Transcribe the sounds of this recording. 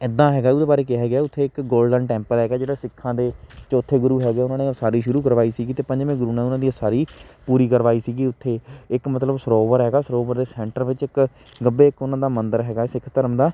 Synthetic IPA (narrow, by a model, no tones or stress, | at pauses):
ɪd̪ːãːɦɛːɡaːʊd̪eːbaːɾeːkɪɦɛːɡɪaːʊt̪ʰːeːɪkɡoːlɖənʈɛ̃ːmpəlɦɛːɡaːd͡ʒeːɽaːsɪkʰːãːd̪eːt͡ʃoːt̪ʰːeːɡʊɾuːɦɛːɡeːʊnãːneːosaːɾiːʃʊɾuːkəɾʋaːiːsiːɡiːt̪eːpəɲd͡ʒmẽːɡʊɾuːnãːʊnãːd̪iːoːsaːɾiːpuːɾiːkəɾʋaːiːsiːɡiːʊt̪ʰːeːɪkmət̪ləbsəɾoːʋəɾɦɛːɡaːsəɾoːʋəɾd̪eːsɛ̃ːɳʈəɾʋɪt͡ʃɪk | ɡəbeːɪkʊnãːd̪aːmənd̪əɾɦɛːɡaːsɪkʰt̪əɾəmd̪aː